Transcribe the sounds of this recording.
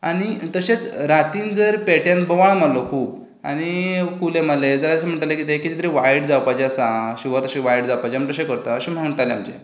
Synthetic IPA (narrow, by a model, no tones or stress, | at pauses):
aɽ̃it̪əɕet͡sɾat̪iːnd͡zəɾpeʈjãnbəʋaɳm̤allɔkʰuːb | a̰ɽ̃ikulemaled͡zəlaəɕem̤əɳʈalakit̪ekit̪it̪ɾeʋajɽd͡zawpad͡ʑeasãɕiʋaɾt̪əɕeʋajɽd͡zawpad͡ʑem̤əɳʈ̪əɕekəɾt̪əəɕem̤əʈaleamt͡ɕe